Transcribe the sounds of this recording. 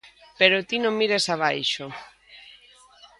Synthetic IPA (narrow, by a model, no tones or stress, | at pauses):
peɾot̪inõŋmiɾesaβajʃo